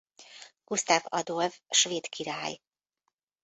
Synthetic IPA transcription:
ɡ̥ust̪aːvɒ̰d̪olvʃveːt̪kʰiɾaːj

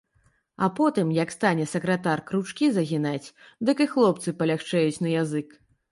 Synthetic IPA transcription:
ɐpɔt̪ɨmjɐkst̪anʲɛsɐkɾɐt̪arkɾut͡ʂkʲizɐɣʲinat͡sʲ | d̪ɨkɨxlˠɔpt̪sɨpɐlʲaxt͡ʂɛjut͡sʲnɐjazɨk

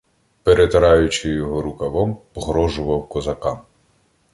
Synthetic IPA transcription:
peɾet̪ɐɾɑjʊt͡ʃɪjɔɦɔɾʊkɐʋɔmpɔɦɾɔʒʊʋɐwkɔzɐkɑm

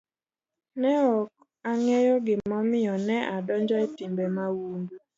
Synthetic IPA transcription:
nɛɔk̚ | aŋɛjɔɡɪmɔmɪɔnɛʔadɔnd͡ʒɔɛtimbemawundu

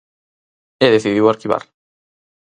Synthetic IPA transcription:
eðeθiðiwaɾkiβa̰ɾ

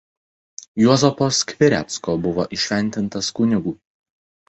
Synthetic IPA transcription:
juɔzɔpoːskʲʋʲɪɾʲɛ̰t̪skoːbʊʋɔʔɪʃʲʋʲɛˑnʲt̪ʲɪnt̪ɐskʊnʲɪɡuː

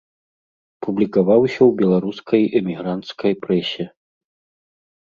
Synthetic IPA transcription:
publʲikavawsʲɐwbʲɛlˠaɾuskʰɐjɛmʲiɣɾant̪skɐjpɾɛsʲɛ

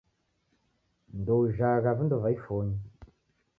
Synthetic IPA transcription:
ndowʒaɣavəndovaifoɲ

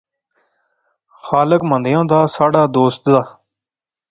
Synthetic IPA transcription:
xaːləkmənd̪ɪjãːd̪aːsaːɖaːd̪oːst̪d̪aː

